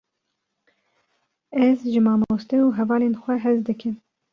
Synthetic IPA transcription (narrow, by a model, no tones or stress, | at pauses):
ɛzʒɨmɑːmost̪ɛuɦɛvɑːleːnxʷɛɦɛzd̪ɨkʰɨm